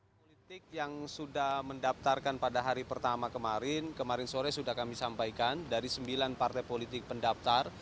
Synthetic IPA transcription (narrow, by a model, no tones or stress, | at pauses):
polit̪ɪk̚jaŋsudahməndap̚t̪arkanpadaɦaɾipərt̪amakəmaɾɪnkəmaɾɪnsoɾɛsudahkamisampajkandaɾisəmbilanpart̪ajpolit̪ɪk̚pəndapt̪ar